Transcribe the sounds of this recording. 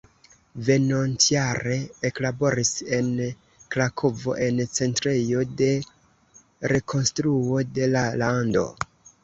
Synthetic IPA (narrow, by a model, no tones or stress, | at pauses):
ve̞nontjaɾe̞eklabo̞ɾise̞n | klakʰovo̞̰ʔe̞nt͡se̞ntɾejo̞de̞ | ɾe̞kʰo̞nstɾuo̞de̞lalando̞̰